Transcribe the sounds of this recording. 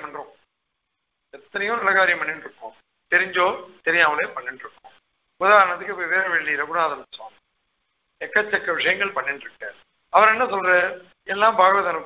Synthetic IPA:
mɐɳɾʊ̃ | ɛt̪ːɐnɐjʊ̃nɪlɐɣaːɾɪjɐmpɐɳːɪnɖɾɯkːʊ̃m | t̪ɛɾɪɲd͡ʒoːt̪ɛɾɪjaːmɐleːpɐɳːɪnɖɾɯkːʊ̰m | ʊðaːɾɐnɐt̪ɯkːɯɪpːoʋeːɾɐʋeɭːiɾɐbʊnaːðɐmsa̰ːm | ɛkːɐt͡ʃːɐkːɐʋɪʂɐjɐŋɡɐɭpɐɳːɪnɾɯkːɯ | ɐʋɐɾɛnːɐsɔlɾɐ | ɛlːãːmbʱaːɣɐʋɐðɐnɯkː

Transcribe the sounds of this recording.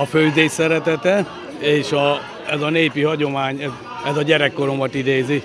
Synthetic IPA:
ɒføːzeːsɛɾɛt̪ɛt̪ɛ | eːʃɒ | ɛzɒneːpihɒɟo̞maːɲɛz | ɛzɒɟɛɾɛkːo̞ɾo̞mɒt̪id̪eːzi

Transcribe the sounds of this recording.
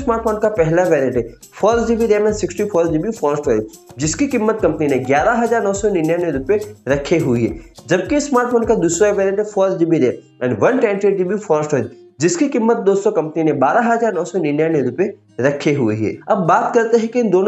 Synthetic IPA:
smaːɾʈfʰoːnkapɛɦlaʋɛːɾiəɳʈɦɛ | fɔːɾsd͡ʒibʱiɾeemɛ̃nsɪksʈifʰɔːɾd͡ʒibʱifɔːɾəsʈɦojod͡ʒɪskikɪmːət̪̚kɐ̃mpninẽɡjaːɾaɦɐd͡ʒaːɾnɔːsɔnɪnjaːneɾʊpeɾɐkʰeɦʊiɦɛ̰ːd͡ʒɐb̚kismaːɾʈ̚fʰoːnkad̪uːsɾaʋeːɾiə̃ɳʈɦɛfɔːɾsd͡ʒibʱiɾe | ɛːnʋɐnʈɛ̃ːɳʈɾeːʈd͡ʒibʱifɔːɾəsʈɦoːjo | d͡ʒɪskikɪmːət̪̚d̪oːst̪okɐ̃mpəninẽbaːɾaɦɐzaːɾnɔːsɔnɪnjaːneɾʊpe | ɾɐkʰeɦʊeɦɛ̰ːɐbːaːt̪kɐɾt̪eɦɛ̃kiɪ̃nd̪oːn

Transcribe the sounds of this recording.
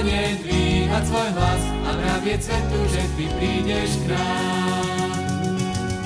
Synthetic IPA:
ɲɪɛd̪ʋiːɦasʋɔjɦlas | avɾavɪɛt͡sʋɛt̪uʒɛt̪ipɾiːɟɛʃkɾaː

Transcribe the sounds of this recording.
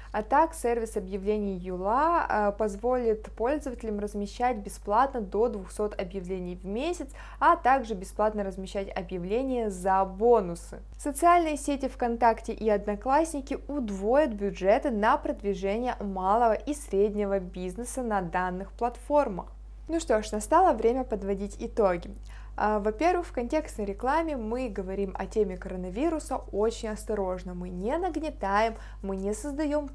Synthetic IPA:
ɐt̪aksʲervʲɪsɐbjɪvlʲenʲɪjjʊlˠapɐzvo̞lʲɪt̪po̞lʲzəvətʲɪlʲɪmrəzmʲɪɕːætʲbʲɪsplˠat̪nəd̪o̞d̪vʊxso̞t̪ɐbjɪvlʲenʲɪjvmʲesʲɪt̪s | ɐt̪aɡʐɨbʲɪsplˠat̪nəɾəzmʲɪɕːætʲɐbjɪvlʲenʲɪjəzɐbo̞nʊsɨ̰ | sət̪sɨalʲnɨjəsʲetʲɪfkɐnt̪aktʲɪʔiɐd̪nɐklˠasʲnʲɪkʲɪʊd̪vo̞jət̪̚bʲʊʐɛt̪ɨnɐpɾəd̪vʲɪʐɛnʲɪjəmalˠəvəʔisɾʲedʲnʲɪvəbʲiznɨsənɐd̪anːɨxplˠɐt̪fo̞rmə̰x | nuʂt̪o̞ʂnɐst̪alˠəvɾʲemʲəpəd̪vɐdʲitʲɪt̪o̞ɡʲɪ | vɐpʲe̞rvɨxfkɐnʲtʲe̞kst̪nəjɾʲɪklˠamʲɪmɨɡəvɐɾʲimɐ̰tʲemʲɪkəɾənɐvʲiɾʊsəot͡ɕɪnʲɐst̪ɐɾo̞ʐnəmɨnʲɪnəɡnʲɪt̪ajɪmː | ɨnʲɪsəzd̪ɐjo̞m

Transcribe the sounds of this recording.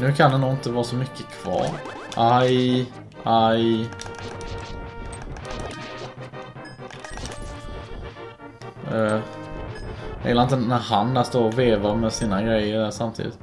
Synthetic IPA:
nʉ̟ːkʰanɛnuːɪnt̪əvɑːɾsɔmʏkːəkʰv̥ɑ̰ːɾ | ʔaj | aj | ɛ | jjɛlaɾɪnt̪ənæɾɦand̪æst̪oːɾɔveːvaɾmɛsiːnaɡɾɛjːəɖæʂamt̪ʰḭːd̪ɪ̰t̪

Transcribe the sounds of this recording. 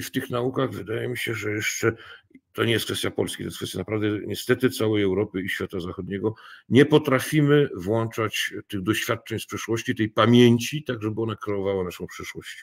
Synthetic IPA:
ft̪ɘxnaukaɣvɘd̪ajɛmʲiɕɛʐɛjɛʂt͡ʂɛt̪ɔɲɛjɛskfɛst̪japɔ̰lskʲit̪ɔjskfɛst̪ʲjanapɾavd̪ɛɲɛst̪ɛt̪ɘt̪sawɛjɛwɾɔpɘiɕfʲat̪azaxɔd̪ɲɛɡɔɲɛpɔt̪ɾafʲimɘvwɔnt͡ʂat͡ɕt̪ɘɣd̪ɔɕfʲjat̪̚ːt͡ʂɛɲspʂɛʂwɔɕt͡ɕit̪ɛjpamʲjeɲt͡ɕit̪aɡʐɛbɘɔnakɾɛɔvawanaʂɔ̃w̃pʂɘʂwɔɕt͡ɕ

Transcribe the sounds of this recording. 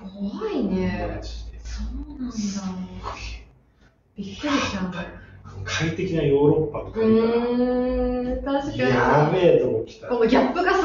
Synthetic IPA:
koβaine̥ | soːnãnd̪a | b̥ʲikːɯ̟ɾʲi̥t͡ɕãanokʰait̪e̞kʲinajo̞ːɾo̞pːat̪oɯ̃ | t̪ãɕikaamet̪okʲi̥t̪akõnoɡʲapːɯ̟ɡas

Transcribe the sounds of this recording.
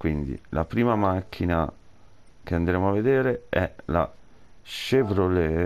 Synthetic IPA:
kwind̪ḭlapɾiːmamakʰːina | keand̪ɾeːmoavːed̪eːɾeɛla | ʃevɾole

